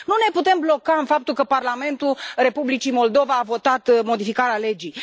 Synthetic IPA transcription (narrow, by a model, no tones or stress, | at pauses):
nune̞put̪e̞mblo̞kaɨnfap̚t̪ulkəparlame̞nt̪ure̞publit͡ʃimo̞ld̪o̞vaːvo̞t̪at̪mo̞d̪ifikaɾeale̞d͡ʒij